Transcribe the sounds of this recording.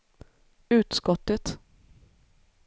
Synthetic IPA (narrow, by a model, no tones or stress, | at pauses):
ʉ̟ːt̪skɔt̪ːət̪